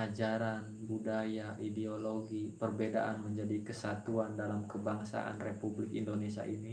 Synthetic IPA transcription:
ad͡ʒaɾanbudajaʔideoloɡipərbeda̰ʔanməɲd͡ʒadikəsat̪uandalamkəbaŋsa̰ʔa̰nrepublɪkindonesia̰ʔini

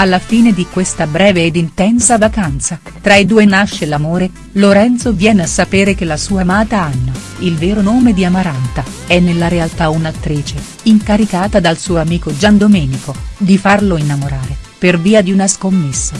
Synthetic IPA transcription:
alːafiːned̪ikwest̪abɾɛːveːd̪int̪ɛnsavakant̪sa | t̪ɾaid̪uːenaʃːelamoːɾe | loɾɛnt̪sovjɛːneasːapeːɾek̟elːasuːamaːt̪aanːa | ilvɛːɾonoːmed̪iamaɾant̪aɛnːelːaɾealt̪aunat̪ːɾiːt͡ʃe | iŋkaɾikaːt̪ad̪alsuːoamiːkod͡ʒand̪omɛːnikod̪ifarloinːamoɾaːɾeperviːad̪iunaskomːesːa

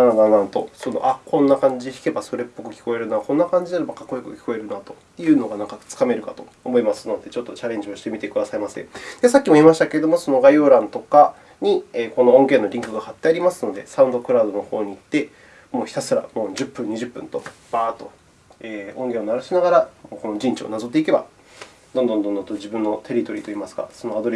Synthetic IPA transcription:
ad̪anãnt̪o̞̰sonoʔakʰõ̞nːakãɲ̟d͡ʑiçi̥ke̞basoɾe̞pːo̞kɯ̟kʲi̥ko̞e̞ɾɯ̟naːkõ̞nːakãɲ̟d͡ʑinaɾebakakːoikɯ̟kʲi̥ko̞e̞ɾɯ̟nat̪o̞̥jɯ̟ːno̞ɡanãŋkat͡sɨ̥kame̞ɾɯ̟kat̪o̞̥ | omo̞imasɨno̞d̪e̞t͡ɕo̞t̪ːo̞t͡ɕaɾẽ̞ɲ̟d͡ʑio̞ɕi̥t̪e̞mʲit̪e̞kɯd̪asaimasẽd̪̥esakʲːimo̞imaɕi̥t̪akeɾed̪o̞mo̞so̞no̞ɡajoːɾãnt̪o̞ka | ɲ̟ieːko̞no̞õ̞ŋɡẽ̞ːnːo̞ɾʲĩŋkɯ̟ɡahat̪ːe̞aɾʲimasɨno̞d̪e̞saɯ̃nd̪o̞kɯ̟ɾaːd̪o̞no̞ho̞ːɲ̟iːt̪ːe̞ | mo̞ːçi̥t̪asɨɾa̰moːd͡ʑɨpːɯ̟̃ɲ̟iʑɨpːɯ̰̃nt̪o̞b̥aːt̪o̞ | eːõ̞ŋɡẽ̞onaɾaɕinaɡaɾamoːko̞no̞d͡ʑĩɲ̟t͡ɕio̰nazo̞t̪̬ːe̞ike̞ba̰ | d̪õnd̪õ̞nd̪õnd̪ont̪od͡ʑibɯ̟̃nːo̞t̪ʰe̞ɾʲit̪o̞ɾʲiːt̪o̞imasɨ̥ɡa̰sonoad̪o̞ɾʲ

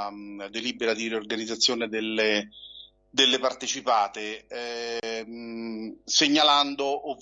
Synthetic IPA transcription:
d̪eliːbeɾad̪iɾiorɡanid̪zːat̪sːjoːnɪd̪elːe | d̪elːɪpart̪et͡ʃipaːt̪ɪ | seɲːaland̪oʔov

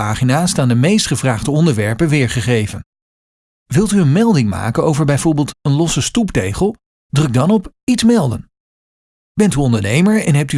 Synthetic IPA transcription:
aːχinaːstaːndəmejstχəvraːχdəɔndəɹʋɛɹpənʋɪːɹχəχejvən | ʋɪlˠtyənmɛlˠdɪŋma̰ːkənowvəɹbɛjvoːɹbɪːlˠtənlɔsəstuptejχəlˠ | drɵɡ̚dɑnɔp | itsmɛlˠdə̰n | bɛntyɔndəɹnejməɹɛnɦɛp̚ty

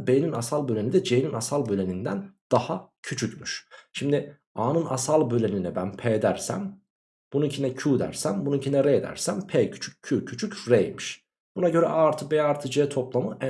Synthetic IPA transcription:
bejninasalˠbølʲenid̪ɛd͡ʒejninasalˠbølʲenind̪ænd̪̥ahacʰyt͡ʃʰycmyʃʃimd̪ɪ | aːnɯnasalˠbø̞lʲeninɛbænpʰeːd̪æɾsæ̰m | b̥unuicʰinɛcʰuːd̪æ̰ɾsæmbununicʰinɛɾeːd̪æ̰ɾsæmpʰeːcʰy̥t͡ʃʰy̥cʰːuːcʰyt͡ʃʰycfɾejmiʃ | b̥unaɟø̞ɾɛ̰ʔaɾt̪ʰɯbeaɾt̪ʰɯd͡ʒeːt̪ʰo̞plˠamɯʔæ

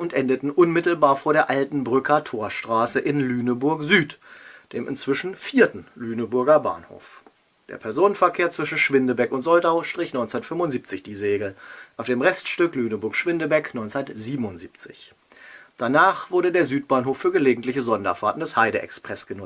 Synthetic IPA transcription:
ʔʊntʔɛndətn̩ʔʊnmɪtl̩baːɐfoːɐɾeːɐʔaltn̩bʁʏkʰɐtʰoːɐʃtʁ̥aːsəʔɪnlyːnəbʊɐkzyːtd̥eːmʔɪ̰nt͡sv̥ɪʃn̩fiːɐtn̩lyːnəbʊɐɡɐba̰ːnho̰ːf | d̥eːɐpʰɛɐzoːnənfɛɐkʰeːɐt͡sv̥ɪʃn̩ʃv̥ɪndəbɛkʊntz̥ɔldaʊʃtʁ̥ɪçnɔʏnt͡sɛnɐtfʏmʊntziːp̚t͡sɪçd̥iːzeːɡl̩ʔaʊfd̥eːmʁɛstʃtʏklyːnəbʊɐkʃv̥ɪndəbɛknɔʏɪnt͡sɛnɐtziːbm̩ʊntz̥iːp̚t͡sɪ̰ç | d̥anaːχv̥ʊɐdədeːɐzyːtb̥aːnɦoːfːyːɐɡəleːɡŋ̩tlɪçəzɔndɐ̰faːtn̩dɛshaɪɾəʔɛ̰kspʁ̥ɛsɡ̥ənʊ

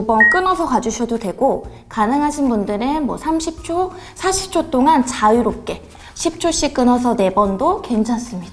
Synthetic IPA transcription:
ubʌnk͈ɯnʌsʰʌkad͡ʑuɕʰʌdodwe̞ɡo | kanɯŋɦaɕʰinbundɯɾenmwʌsʰamɕʰip̚t͡ɕ͈ʰo | sʰaɕʰi̥p̚t͡ɕ͈ʰot͈oŋant͡ɕaiɾop̚k͈e̞ | ɕʰip̚t͡ɕ͈ʰoɕ͈ik͈ɯnʌs̬ʰʌne̞bʌndoke̞nt͡ɕʰans͈ɯmɲid̥aa

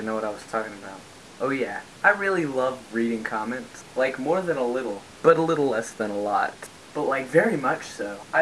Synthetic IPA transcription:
noʊwʌɾaɪwʌz̥tʰɔkɪ̃ŋɨbaʊt̚ | ʔoʊjæ | aɪɹɪlˠilʌvɹiɾɪ̃ŋkʰɑmɛ̃ntslaɪkmɔɹðɨ̃nəlɪɾl̩ˠ | b̥ʌɾəlɪɾl̩ˠlɛsðə̃nəlɔ̰t̚ | b̥ʌtˡlaɪkvɛɹimʌt͡ʃsoʊʔaɪ

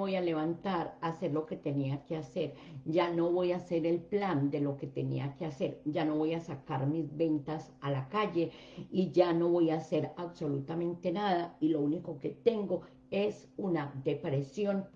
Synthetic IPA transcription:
o̞jale̞βant̪aɾase̞ɾlo̞ke̞t̪e̞niakease̞ɾd͡ʒano̞βo̞jase̞ɾelpland̪e̞lo̞ke̞t̪enḭakease̞ɾd͡ʒano̞βo̞jasakaɾmizbe̞nt̪asalakaʝe̞ | iʝano̞βo̞jaːse̞ɾaβso̞lut̪amẽnt̪e̞naðailo̞uniko̞ke̞t̪e̞ŋɡo̞ | e̞s | unad̪e̞pɾe̞sjo̞n

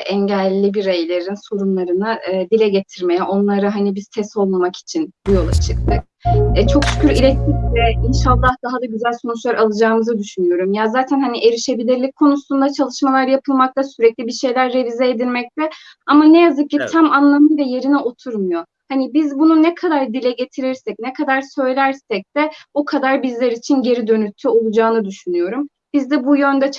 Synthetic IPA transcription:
ʔɛɲɟælʲːibiɾejlʲe̞ɾinso̞ɾumlˠaɾɯnɯd̪ilʲɛɟe̞t̪ʰiɾme̞jɛʔo̞nlˠaɾɯɦanibiz̥t̪ʰɛso̞lˠmamaki̥t͡ʃʰinbujo̞lˠa̰t͡ʃʰɯk̚t̪ʰɯk̚ːt͡ʃʰo̞ksy̥cʲʰyɾilʲɛt̪ːicvɛinʃalˠːahd̪aɦad̪aɟyzælʲsonut͡ʃlˠaɾalˠɯd͡ʒaːɯmɯzɯd̪yʃynyjo̞ɾumjazaːt̪ʰænhaniʔe̞ɾiʃe̞bilʲiɾlʲic̚ʲkʰːo̞nusund̪at͡ʃʰalˠɯʃmalˠaɾjapʰɯlˠmak̚t̪ʰasyɾɛclʲibiʃe̞jlʲæɾːe̞vizɛed̪ilʲmɛc̚t̪ʰɛ | amanɛjazɯk̚cːit̪ʰamanlˠamɯd̪ɛje̞ɾiniʔo̞t̪ʰuɾmujo̞ | hanibizbununɛkʰad̪aɾd̪ilʲɛɟe̞t̪ʰiɾiɾsɛc̚nɛkʰad̪aɾsø̞jlʲæɾsɛc̚d̪̥ɛokʰad̪aɾbizlʲeɾit͡ʃʰinɟe̞ɾid̪ø̞nyt̪ʰːyo̞lˠud͡ʒaːnɯd̪yʃynyjo̞ɾum | bizd̪ɛbujø̞nd̪ɛ

